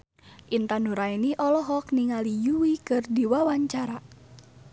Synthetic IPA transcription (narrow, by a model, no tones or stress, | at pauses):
ʔint̪anuɾainiʔɔlɔɦɔkniŋalijuwikɨrdiwawaɲt͡ʃaɾa